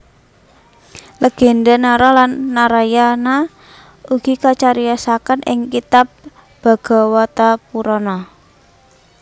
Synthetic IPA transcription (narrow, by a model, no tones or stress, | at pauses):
ləɡ̥e̤ndanaɾɔlanːaɾajana | uɡ̥ikat͡ʃaɾijasakanʔɪ̰ŋkit̪ap̚ | b̥a̤ɡ̥ɔ̤wat̪apuɾɔnɔ